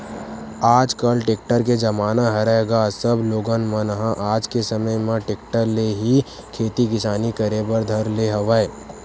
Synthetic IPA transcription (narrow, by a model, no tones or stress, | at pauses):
aːd͡ʒkəlʈeːk̚ʈəɾk̬ed͡ʒɐmaːnaɦɐɾeːɡasəbloːɡənmə̃nɦãʔaːd͡ʒkesɐməjmẽʈeːk̚ʈəɾleɦi | kʰeːt̪ikɪsaːnikɐɾebəɾd̪ʱɐɾleɦɐʋəe